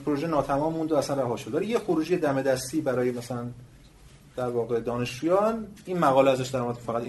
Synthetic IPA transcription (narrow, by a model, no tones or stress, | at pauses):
pʰoɾoʒenɒːt̪ʰæmɒːmːund̪oæslænræɦɒːʃobæɾijexoɾuːd͡ʒijed̪æme̞d̪æst̪iːbæɾɒːjemæsælæn | d̪̥æɾvɒːɣe̞d̪ɒːne̞ʃt͡ʃuːjɒːniːnmæɣɒːleæzæʃd̪æɾmoed̪fæɣæt̪